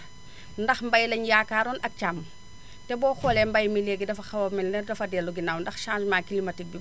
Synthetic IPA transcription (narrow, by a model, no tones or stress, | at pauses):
ndɐxmbɐjlɐɲjakaːɾɔːnʔɐk̚t͡ʃam | tɛbɔːxɔlɛmbɐjmileɡidɐfɐxɐwɐminnɛrdɐfɐdɛluɡinawndɐxʃãːnsmakilimɐtik̚bi